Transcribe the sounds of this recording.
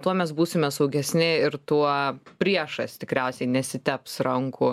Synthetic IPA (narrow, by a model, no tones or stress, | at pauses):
t̪uɔmʲɛs̬buːsʲɪmʲɛsɐʊɡʲɛsʲnʲɪɪɾt̪uɔpʲɾʲiɛʃɐsʲt̪ʲɪkɾʲæʊsʲɛɪnʲɛsʲɪt̪ʲɛpsɾɐŋkʊ